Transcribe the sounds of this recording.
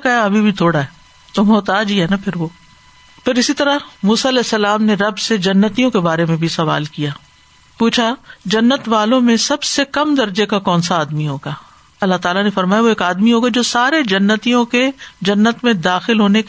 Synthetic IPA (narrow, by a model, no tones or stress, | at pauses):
kaɐbʱibʱit̪ʰoːɽaɦɛː | t̪omɔːt̪aːd͡ʒiɦɛːnapʰɪɾʋoː | pʰɪɾɪsit̪ɐɾamuːsaɐlɛːsːɐlaːmneɾɐbsed͡ʒɐnːət̪ijõkebaːɾemẽbʱisɐʋa̰ːlkijaː | puːt͡ʃʰad͡ʒɐnːət̪ʋaːlõmẽsɐbsekɐmd̪ɐɾd͡ʒekakɔːnsaːd̪miɦoːɡaː | ɐlːaɦt̪aːlanefɐɾmaːjaʋoeːkaːd̪miɦoːɡad͡ʒoːsaːɾed͡ʒɐnːət̪ijõked͡ʒɐnːət̪mẽd̪aːxɪlɦoːne